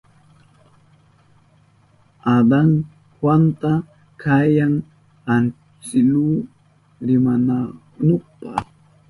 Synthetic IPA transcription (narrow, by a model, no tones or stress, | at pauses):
ad̪aŋ | hwant̪a | kʰajaŋ | an | t͡ʃɪluː | ɾɪmana | nʊχpa̰